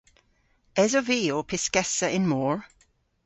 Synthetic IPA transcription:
ɛzɔviːopʰɪskɛsəʔɪ̃nmɔːɹ

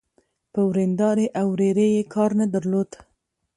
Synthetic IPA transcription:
pɨwɾeːnd̪ɑːɾeːʔawɾeːɾeːjeːkʰɑːɾnɛd̪əɾloːt̪

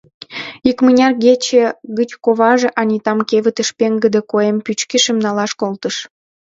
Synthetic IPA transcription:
ikmənʲɑrɣet͡ɕeɣət͡ɕkoβɑʒĕʔɑnʲit̪ɑmkeβət̪əʃpeŋɡəd̪ekoempyt͡ɕkeʃəmnɑlɑʃkolt̪əʃ

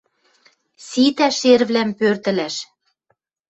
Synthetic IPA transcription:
sit̪æʃerβlæmpørt̪ɘ̆læʃ

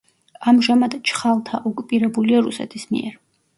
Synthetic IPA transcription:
amʒamad̪t͡ʃʰχalˠt̪ʰaʔɔkʼupʼiɾɛbuliaɾṵsɛ̰t̪ʰismḭɛ̰ɾ

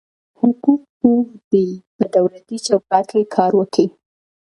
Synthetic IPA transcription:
hʊkuk̚ːod̪̥epəd̪awlat̪it͡ʃawkɑkekʰɑɾwəki

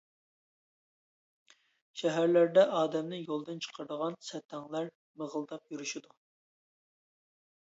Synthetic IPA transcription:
ʃɛɦæɾlæɾd̪ɛʔɑːd̪ɛmnɪjolˠd̪ɨnt͡ʃʰə̥qʰəɾd̪əʁɑnsɛt̪ʰːɛŋlˠæɾ | məʁəlˠd̪ɑp̚juɾuʃid̪u

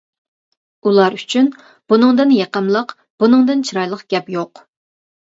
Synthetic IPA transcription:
ulˠɑɾyt͡ʃʰyn | b̥unɨŋd̪ɨnjeqəmlˠəq | b̥unɨŋd̪ɨnt͡ʃʰiɾɑjlˠəqɡ̥ʲɛpjoq

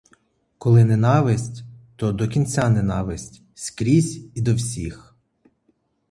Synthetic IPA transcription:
kɔlˠɪnenɑʋɪsʲtʲt̪ɔd̪ɔkʲinʲt͡sʲanenɑʋɪsʲtʲ | sʲkɾʲizʲid̪ɔwsʲix

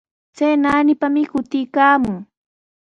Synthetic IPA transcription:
t͡sajnaːnɪpamɪkʊt̪ɪkaːmʊŋ

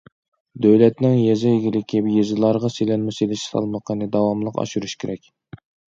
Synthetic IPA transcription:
d̪øwlɛt̪nɪŋjɛzɪjeɡʲilɪkʲʰijezɨlˠɑɾʁɑselɛnmɪselɪʃsɑ̰lˠməqʰənɨd̪ɑwɑmlˠəqɑ̰ʃuɾuʃkʲʰeɾɛkʲ

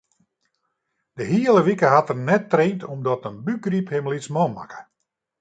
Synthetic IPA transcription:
d̥əɦiələʋikəɦatərnɛtːreːntʰɔmdɔtənbyɡriphɪmlit͡smɔma̰kə̥

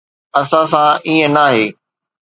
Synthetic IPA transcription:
ɐsãs̬ãʔiːə̃naːɦeː

